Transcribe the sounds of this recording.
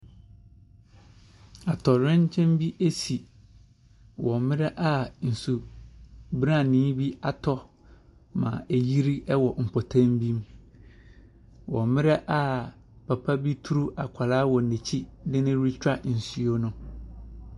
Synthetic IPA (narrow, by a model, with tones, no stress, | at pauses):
a˨tʰɔ˨ɾɪ̃˦ɲ˦t͡ɕʰɛ̃˦mbi˦ʔe˦si˨ | wɔ̃˨mɪ̃˦ɾɛ˦ʔa˨n̩˨su˨ | bɾã˦˨nĩː˦bi˦a˨tʰɔ˦ | mã̰˨e˨ji˦ɾi˦ɛ˦wɔ˨m̩˨pʰɔ˨tʰã˦mbĩ˦m | wɔ̰̃˨mɪ̃˦ɾɛ˦ʔa˦ | pʰa˨pʰa˦bi˦tʰu˦ɾu˦ʔa˨kʷʰa˨laː˦wɔ˨ne˨t͡ɕʰi˦nɪ̃˦nɪ̃˦ɾi˦t͡ɕᶣa˦n̩˨su˨˦o˦nʊ̃˦